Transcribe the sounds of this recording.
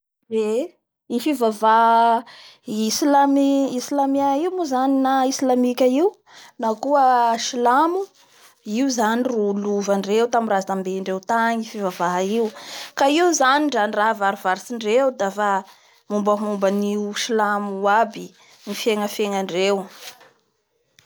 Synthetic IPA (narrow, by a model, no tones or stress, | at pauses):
e | ifivavaɦ | islamiisilamiaiwmuzaninaisilamikʲaiw | nakuəʃilamu | iuzaniruluvaɳɖ͡ʐewt̪amrazambeiɳɖ͡ʐewt̪aɲifivavaɦaiwkaiwuzaniɳɖ͡ʐaniraɦvaɾuvaɾisiɳɖ͡ʐewd̪afa | mumbəɦumbəniuʃilamuabi | nifeŋəfeŋaɳɖ͡ʐew